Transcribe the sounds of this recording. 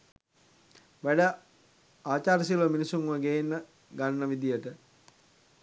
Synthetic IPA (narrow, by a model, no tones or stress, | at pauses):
ʋæɖə | aːt͡ʃaːɾəsilʋəminisuŋuəɡejenːə | ɡanːəʋid̪ijəʈə